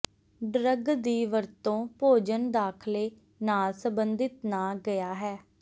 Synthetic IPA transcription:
ɖɾəɡd̪iːʋəɾt̪õːpoːd͡ʒənd̪aːkʰleː | naːlsəmbənd̪ɪt̪naːɡəjaːɦɛː

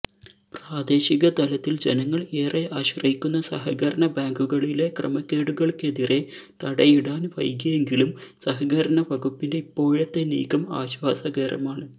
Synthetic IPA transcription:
praːd̪e̞ːɕiɣɐt̪ɐlɐt̪ːild͡ʑe̞nɐŋːɐɭeːreʔaːɕwrɐjikʲːunːɐsɐ̰ɦɐɣɐɾɐnɐbaːŋɡuɣɐɭile̞krɐ̰mɐkːeːɽuɣɐɭke̞ðire̞t̪ɐɽɐjiɽaːnʋɐ̰jkːɐje̞ŋɡilumsɐɦɐɣɐɾɐnɐʋɐɡupːinde̞ipːo̞ːɻet̪ːe̞nḭːkːɐma̰ːɕʋaːsɐɣeːɾɐ̰maːɳɨ

